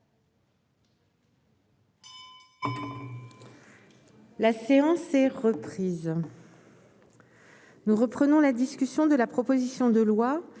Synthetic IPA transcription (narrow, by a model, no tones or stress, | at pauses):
laseɑ̃sɛʁəpχiz | nuʁəpχənɔ̃lad̪iskʲysjɔ̃d̪əlapχɔpozisjɔ̃d̪əlwa